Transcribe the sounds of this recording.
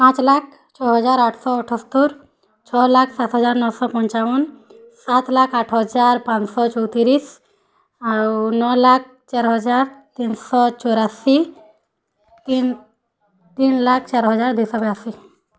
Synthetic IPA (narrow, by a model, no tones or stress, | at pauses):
pãt͡ɕlak̚ʰ | t͡ɕʰɔɦɔd͡zaɾaʈʰsɔɔʈʰɔst̪uɾ | t͡ɕʰɔlakʰsat̪ɦəd͡zaɾnɔwsɔpɔɲt͡ʃaʋɔnː | at̪lakʰaʈʰɦɔd͡zaɾpãt͡ssɔt͡ʃɔwt̪iɾis | anɔlak̚ʰt͡ɕaɾɦɔd͡zaɾt̪insɔt͡ʃɔɾasi | t̪in | t̪iːnlakʰt͡ɕaɾɦɔd͡zaɾd̪isɔbjasi